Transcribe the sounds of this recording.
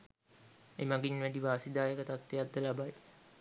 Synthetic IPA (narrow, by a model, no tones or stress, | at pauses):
emaɡinʋæɖiʋaːsid̪aːjəkət̪at̪ʋejad̪ːəlabaj